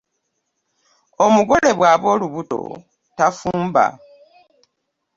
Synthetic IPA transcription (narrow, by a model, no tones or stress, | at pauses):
o̞muɡo̞le̞βwaːβo̞ːluβuto̞̰ | tafuːmba̰